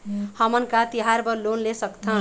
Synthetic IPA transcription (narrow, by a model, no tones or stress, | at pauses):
hʌmʌnkat̪iɦaɾbʌlonlesʌkt̪ʰʌ̃